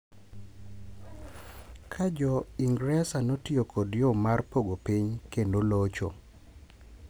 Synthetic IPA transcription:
kʰad͡ʒɔiŋɡɾɛsanotiokʰodjɔmarpoɡopiɲkendolot͡ʃo̰

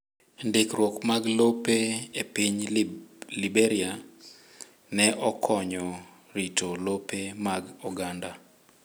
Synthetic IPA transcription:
ndekɾwɔkmaɡlopeepiɲ | libeɾia | nɛʔɔkʰɔɲɔ | ɾitʰolopemaɡɔɡanda

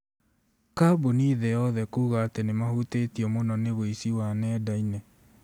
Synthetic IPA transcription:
kaboniːðɛjɔðɛkuːɣaːtenemahutetiɔmonɔneβoisiwanɛːdainɛ

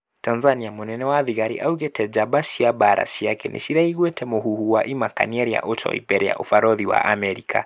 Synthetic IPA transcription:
tanzaniamunɛnɛwaðiɣaɾḭʔauɣɛtʰɛd͡ʒabaʃiabaɾa̰ʃiakɛnʔḭʃiɾaiɣwɛtʰɛmɔɦuhuwaʔimaka̰niɛɾia̰ʔɔt͡ʃɔ̰ḭpɛɾɛja̰ʔufaɾɔðiwa̰ʔamɛɾikʰa̰

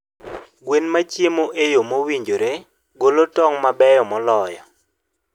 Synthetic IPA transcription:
ɡwenmat͡ʃjemoʔejomowiɲd͡ʒoɾe | ɡolotɔŋmabɛjɔmɔlɔjɔ̰

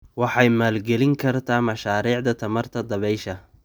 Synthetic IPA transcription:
wɑħɑjmaːlɡɛlɪŋkʰɐrt̪ʰaːmɑʃaːɾiːʕd̪ɐt̪ʰɐmɐrt̪ʰɐd̪ɐβɛjʃɐ

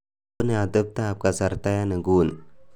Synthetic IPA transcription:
nead̪əp̚t̪aːp̚kasəɾt̪ajanəɡuːn

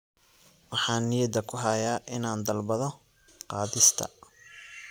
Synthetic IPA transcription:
wɑħɑːnːɪjɐd̪ɐkʰʊɦɐjaːʔɪnaːnd̪ɐlbɐðɔ | qɑːðɪst̪ʰɐ̰

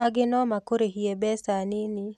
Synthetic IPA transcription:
aɡɪnɔmakoɾehiebɛsanɪni

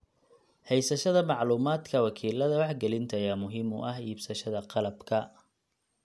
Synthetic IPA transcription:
hɛjsɐʃɐðɐmɑʕluːmaːd̪kʰɐwɑkʰiːlɐðɐwɑħɡɛlɪnt̪ʰɐjamʊɦɪmʊ̰ʔɐɦiːbsɐʃɐðɐqɑlɐbkʰɐ

